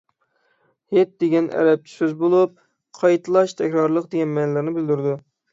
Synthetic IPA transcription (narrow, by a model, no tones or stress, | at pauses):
het̪̚d̪eɡʲɛnʔɛ̰ɾɛp̚t͡ʃ̪ʰy̥søzbolˠup̚ | qʰɑjt̪ʰɨlˠɑʃt̪ʰɛkʲɾɑɾlˠəqd̪eɡʲɛnmɛnlˠɪɾnɪbɪld̪yɾd̪u